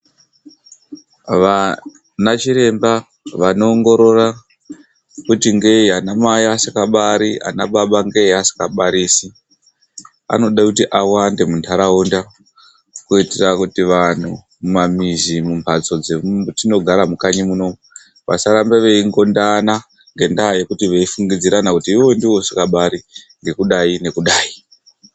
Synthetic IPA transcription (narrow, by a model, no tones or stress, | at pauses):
ʋa | nat͡ʃiɾe̞mba | ʋano̞ːŋɡo̞ɾo̞ra | kutiŋɡeianamaiasikaɓaɾia̰naɓaɓaŋɡe̞asi̥kaɓaɾiːsi | a̰no̞ɗakutiʔawande̞mundʰaɾaunda | kuiterakutiʋan̤u | mumamizimumpʰat͡so̞d͡zemtino̞ɡʱaɾamukaɲimuno̞mu | ʋa̰saɾambeʋe̞iŋɡo̞ndana | ŋɡe̞ndaje̞kutiʋe̞ifuŋɡid͡ziɾanakutiːwo̞ndiwo̞sikaɓaɾi | ŋɡe̞kuɗaine̞kuɗaːi